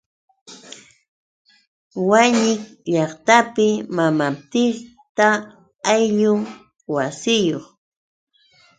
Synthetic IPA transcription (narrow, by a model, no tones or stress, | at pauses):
waɲɪŋʎɑχt̪apɪmamap̚t̪ɪ | t̪a | ajʎʊŋ | wasɪjoχ